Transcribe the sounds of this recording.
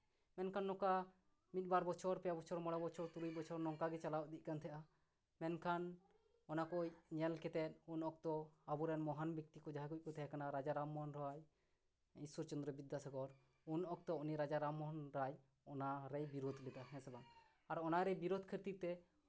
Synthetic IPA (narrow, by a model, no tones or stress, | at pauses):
mɛnkʰanːɔka | mit̪̚ˀbaɾbɔt͡ʃʰɔɾpɛjabɔt͡ʃʰɔɾmɔɽabɔt͡ʃʰɔɾt̪uɾujbɔt͡ʃʰɔɾnɔŋkaɡɛt͡ʃalawd̪ic̚ˀkant̪ʰɛʔa | mɛnkʰan | ɔnakɔjɲɛlkɛt̪ɛt̪̚unɔk̚t̪ɔabuɾɛnmɔɦanbik̚t̪ikɔd͡ʒaɦaɡuc̚kɔt̪ʰɛakanaɾad͡ʒaɾamːɔɦnɾɔwaj | isɔɾt͡ʃɔnd̪ɾɔbid̪asaɡɔɾ | unɔk̚t̪ɔuniɾad͡ʒaɾamːɔɦnɾaj | ɔnaɾɛjbiɾod̪lɛt̪aɦɛ̃sɛban | aɾɔnaɾɛjbiɾod̪kʰəɾt̪it̪ɛ